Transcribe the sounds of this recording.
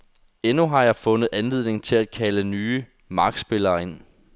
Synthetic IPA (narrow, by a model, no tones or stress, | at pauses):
enuɦɑ̈jɑ̈ɪfɔ̽nð̞̩ˠænlið̞̰ˠne̝ŋt͡sʰe̝læd̥kʰælənyːə | mɑ̈ɡ̥sb̥e̝lɐːe̝n̰